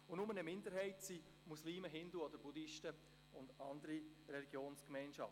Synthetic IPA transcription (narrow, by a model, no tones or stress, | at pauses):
ʊnʊmənəmɪndəɾɦɛɪtsi | musliːməɦɪnduɔd̥əɾbudɪʃtə | ʊndɑndəɾi | rɛliɡjoːnskmɛɪnʃɑ̰ft